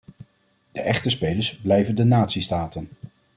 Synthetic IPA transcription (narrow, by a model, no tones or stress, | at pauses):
d̥əʔɛχtəspejləɹszblɛjvəndənaːtsistaːtən